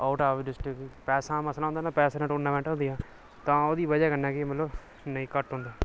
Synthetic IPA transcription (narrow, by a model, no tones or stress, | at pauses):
aːʈaːʋɖɪsʈəkpɛːsãːməslaːɦːnd̪aːnaːpɛːsaːnãːʈoːɾnãːʋɛ̃ːɳʈɦõːnd̪ijaː | t̪ãːoːd̪iːbəd͡ʒaːkənaːkɪmət̪ləb | nəĩːkəʈɦõːnd̪aː